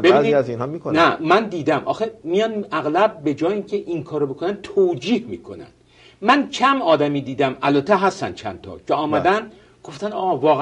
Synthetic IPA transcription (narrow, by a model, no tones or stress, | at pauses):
b̥einizinhɦɔmikonæmænd̪iːd̪æmʔɒ̰ːxemijɒːnæɣlæb̚ːe̞d͡ʒɒːjiːŋcʰeʔiŋkʰɒːɾobo̞kʰo̞nænd̪̚t̪ʰod͡ʒiːhmḭːkʰo̞̰næ̰nd̪̥ | mæncʰæmɒːd̪æmiːd̪iːd̪æmælbæt̪ʰːeɦæst̪æ̰nd̪̥̚t͡ʃʰæ̰nt̪ʰɒ̰ːcʰeɒːmæd̪ænd̪ | ɡ̥o̞ft̪ænd̪ɒːvɒːɣ